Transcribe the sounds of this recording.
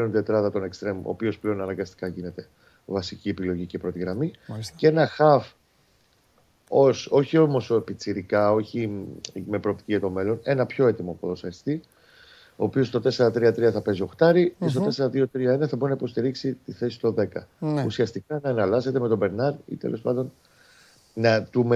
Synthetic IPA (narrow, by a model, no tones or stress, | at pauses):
leont̪e̞t̪ɾɐðɐt̪o̞ne̞kst̪ɾe̞mo̰ːpio̞sple̞o̞nɐnɐŋɡɐst̪i̥kɐʝine̞t̪e̞ | vɐsiciepilo̞ʝice̞pɾo̞t̪iɣɾɐmicee̞nɐxɐf | o̞so̞çio̞mo̞sepit͡siɾikɐo̞çime̞pɾo̞ːp̚t̪i̥ciʝɐt̪o̞me̞lo̞ne̞nɐpço̞e̞t̪imopoðosɐist̪i | o̞ːpio̞st̪ot̪e̞se̞ɾɐt̪ɾiɐt̪ɾiɐθɐpe̞zio̞xt̪ɐɾiest̪ot̪e̞se̞ɾɐðio̞t̪ɾiɐe̞nɐθɐboinɐipo̞st̪iɾiksit̪iθe̞si̥t̪o̞ðe̞kɐusiɐst̪ikɐnɐːnɐlɐse̞t̪e̞me̞t̪o̞be̞ɾnɐɾḭt̪e̞̰lʔo̞spɐnd̪o̞n | nɐt̪ume